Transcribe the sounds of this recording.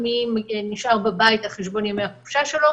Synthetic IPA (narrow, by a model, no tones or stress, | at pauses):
mimniʃʔaʁbabajit̪haχeʃ̬bo̞njomehakuʃaʃe̞lo